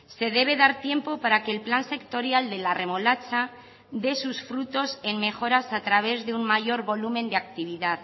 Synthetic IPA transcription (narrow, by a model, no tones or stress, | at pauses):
se̞ðe̞β̞e̞ðaɾt̪je̞mpo̞paɾake̞ːlplanse̞kt̪o̞ɾjald̪e̞lare̞mo̞lat͡ʃa | ðe̞susfɾut̪o̞se̞ŋme̞xo̞ɾasat̪ɾaβe̞zðeummaʝo̞ɾβo̞lumẽnd̪eak̚t̪iβ̞iðað